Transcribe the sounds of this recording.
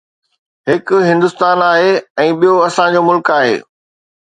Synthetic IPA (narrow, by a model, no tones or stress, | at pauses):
ɦɪkʊ̆ɦɪ̃nd̪ʊst̪aːnaːɦeɛ̃ːɓijoɐsãd͡ʑomʊlkaːɦḛː